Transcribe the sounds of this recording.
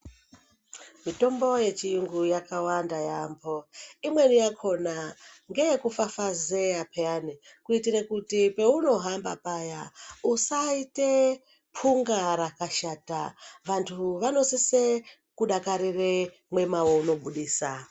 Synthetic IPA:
mito̞mbo̞je̞t͡ʃijuŋɡujakawandajambo̞imwe̞nijakʰo̞naŋɡe̞jkufafazeapʰeani | kuitiɾekutipe̞uno̞ɦambapajausaite | pʰuŋɡaɾakaʃata̰ʋantʰuʋano̞sese | kuɗakaɾire | mwe̞mawo̞uno̞ɓuɗiːsa

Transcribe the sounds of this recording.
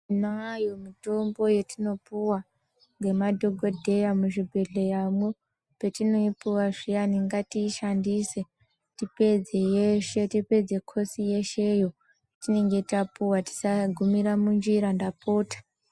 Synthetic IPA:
inajomito̞mbo̞jetino̞puwa | ŋɡe̞madʱo̞ɡʱo̞dʱe̞jamuʐibʱe̞ɮe̞jamwo | pe̞tino̞ipuwaʐijaniŋɡatiːʃandise̞ | tipe̞d͡ze̞jeʃe̞tipe̞d͡ze̞kʰo̞sije̞ʃejo̞ | tine̞ŋɡetapuwati̥saɡʱumiɾamund͡ʒiɾandapoːtḁ

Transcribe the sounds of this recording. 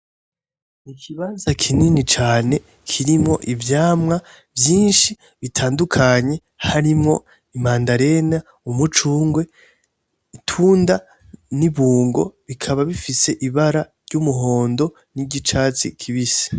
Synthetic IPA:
ikʰiβaːnzakʰininit͡ʃaːne̞ | kʰiɾimŋo̞̰ʔivjaːmŋa | vjiːnʃi | βitʰaːndukʰaɲe̞ | haɾimŋo̞ | imaːndaɾe̞na | umut͡ʃuːŋɡwe̞ | itʰuːnda | niβuːŋɡo̞̰βikʰaβaβifise̞ʔiβaɾaɾɟumuɦo̞ːndo̞ | niɟit͡ʃaːt͡sḭkʰiβise̥

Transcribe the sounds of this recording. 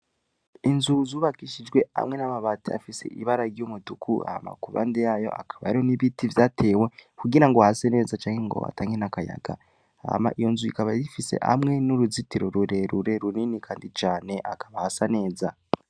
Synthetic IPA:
inzuzuβakiʃid͡ʒɡwe̞a̰mŋe̞namaβatia̰fisḛʔiβaɾaɾjumudukʰua̰ha̰ma̰kuβa̰ːndejajo̞̰ʔa̰kʰḁβa̰ɾioniβitivjaːtʰe̞ːwe̞kuɡiɾaŋɡoahasene̞ːzat͡ʃaːŋheŋɡo̞̰a̰taːŋe̞nakaja̰ɡa̰ | a̰ma̰ʔijo̞nzuikaβajifise̞̰ha̰mŋe̞nuɾuzitiɾoɾuɾe̞ɾuɾe̞ɾuninikʰaːndit͡ʃaːne̞ʔakʰaβahasane̞ːza

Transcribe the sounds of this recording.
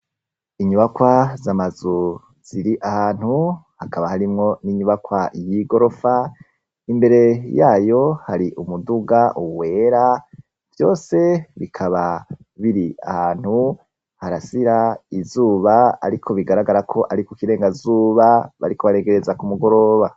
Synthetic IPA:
iɲuβakwazamazu | z̥iɾiʔahaːn̥huhakaβahaɾimŋo̞niɲuβakwajiɡo̞ɾo̞fa | imbe̞ɾe̞jaːjo̞haɾiʔumuduɡaʔuwe̞ːɾa | v̥jo̞ːse̞βikʰaβa | βiɾia̰haːn̥hu | haɾasiɾaizuːβaa̰ɾikʰo̞βiɡaɾaɡaɾakʰo̞ʔaɾikukiɾe̞ːŋɡazuːβaβa̰ɾiko̞βaɾe̞ŋɡe̞ɾe̞zakumuɡo̞ɾo̞βa

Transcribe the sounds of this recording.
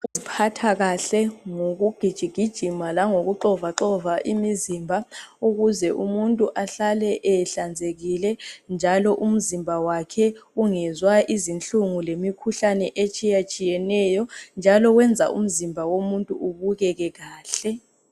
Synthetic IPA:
uzipʰatʰaɣaɬɛŋoɣuɡ̥ʱid̥ʒ̥ʱiɡ̥ʱid̥ʒ̥ʱimalaŋoɣuǃɔvaǃɔvaʔimizimbʱauɣuzɛʔumuntʼuʔaɬalɛʔɛɬand͡zʱeɣilɛnd͡ʒʱalɔʔum̩zimbʱawakʰɛuŋɛzwaʔizint͡ɬʼuŋulemikʰuɬanɛʔet͡ʃʼijat͡ʃʼijɛnɛːjɔnd͡ʒʱalɔɣwɛnd͡zʱa̰ʔṵm̩zimbʱawomuntʼuuβuɣɛɣɛɣaːɬɛ

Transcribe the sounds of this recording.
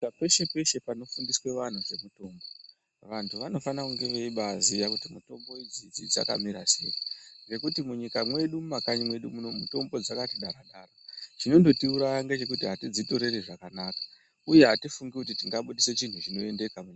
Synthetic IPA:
pe̞ʃe̞pe̞ʃe̞pano̞fundiswe̞ʋan̤ud͡ze̞muto̞mbo | ʋantʰuʋano̞fanakuŋɡe̞ʋeiɓazijakutimuto̞mbo̞id͡zid͡zid͡za̰ka̰miɾa̰sḛjiɡe̞kutimuɲikamwe̞ɗuumakaɲimwe̞ɗumuno̞muto̞mbo̞d͡zakatiɗaɾaɗaːrot͡ʃino̞ndo̞tiuɾajaŋɡet͡ʃe̞kutiɦatid͡zito̞ɾe̞reʐakanakḁ | uje̞ɦatifuŋɡikut̬itiŋɡaɓuɗiset͡ʃin̤ut͡ʃino̞e̞nde̞kamuɲia

